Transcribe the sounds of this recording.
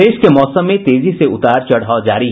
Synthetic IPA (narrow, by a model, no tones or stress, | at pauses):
eːʃkemɔːsəmːẽt̪eːziseʊt̪aːɾt͡ʃɐɽ̤aːod͡ʒaːɾi